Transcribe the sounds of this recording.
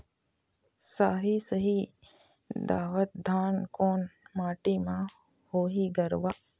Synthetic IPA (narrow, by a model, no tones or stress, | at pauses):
saːɦisəɦi | d̪aːʋət̪̚d̪ʱaːnkoːnmaːʈimã | hoːɦiɡɐɾʋaː